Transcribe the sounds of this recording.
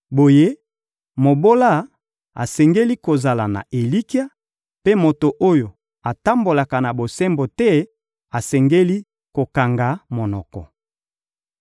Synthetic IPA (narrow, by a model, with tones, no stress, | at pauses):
bo˨je˦ | mo˨bo˦la˦ | a̰˨sɛ˨ŋɡe˦li˦ko˨za˨la˨na̰˨ʔe˨li˦ki˦a˦ | pe˦mo˨to˨ʔo˦jo˨ | a˨ta˦mbo˨la˨ka˨na˨bo˨sɛ˦mbo˨tɛ˦ | a˨sɛ˨ŋɡe˦li˦ | ko˨ka˨ŋɡa˨˦mo˨nɔ˨kɔ̰˨